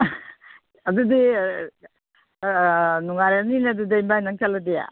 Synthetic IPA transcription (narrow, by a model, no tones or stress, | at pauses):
ɐdudi | nuŋaɾaninadudaimbajnaŋt͡ʃaladeja̰